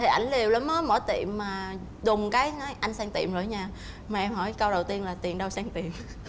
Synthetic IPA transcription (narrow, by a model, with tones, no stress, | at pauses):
t̪ʰi˨˩ʔa˧˩jŋ̟li˨˩əwla˨˦mmə˨˦mə̰˧˥˦jt̪ḭ˧˨əmːaː˨˩ | zʊ˨˩ŋ͡mkaː˨˦jna˨˦jʔa˧jŋ̟saː˧ŋt̪ḭ˧˨əmzo̰ː˧˩˦jɲaː˧ | maː˨˩ʔɛ˧mhɔ˧˩˦jkə˧wɗə˨˩wt̪i˧ənlaː˨˩t̪ḭ˨˩ənɗə˧wsaː˧ŋt̪i˨˩əm